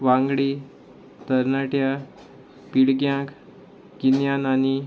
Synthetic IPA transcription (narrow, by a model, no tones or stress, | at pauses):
ʋãŋɡɽi | t̪əɾnaʈja | piɽɡjãk | ɡinjanani